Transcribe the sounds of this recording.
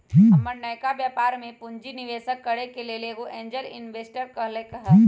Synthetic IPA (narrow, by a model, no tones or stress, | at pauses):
ɦɐməɾnəjkabjaːpaːɾmẽpʊɲd͡ʒinɪʋeːsəkːəɽekeleleːɡoʔẽːɲd͡ʒəɾɪ̰nʋeːsʈəɾkɐɦlekɐɦə